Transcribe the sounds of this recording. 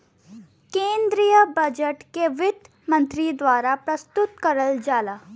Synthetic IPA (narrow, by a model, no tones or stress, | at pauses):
kẽːnd̪ɾijəbɐd͡ʒəʈkeʋɪd̪ | mɐ̃nt̪ɾid̪ʋaːɾapɾɐst̪ʊt̪̚kɐɾəld͡ʒaːlaː